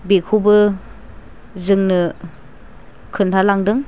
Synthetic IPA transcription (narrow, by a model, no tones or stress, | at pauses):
bekʰubɯ | zɯŋnɯ | kʰɯntʰalaŋdɯŋ